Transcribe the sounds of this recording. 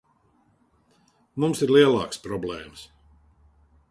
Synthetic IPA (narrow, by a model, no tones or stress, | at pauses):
mumsiɾlˠiɛlˠɑ̰ːkspɾɔblˠɛːms